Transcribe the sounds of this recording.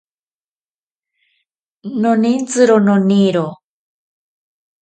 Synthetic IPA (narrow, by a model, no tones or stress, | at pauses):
nonint͡sɨɾononiɾo